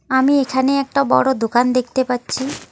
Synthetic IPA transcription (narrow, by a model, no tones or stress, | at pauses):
amiekʰaneɛk̚ʈabɔ̰ɽod̪okand̪ek̚ʰt̪epatːɕʰi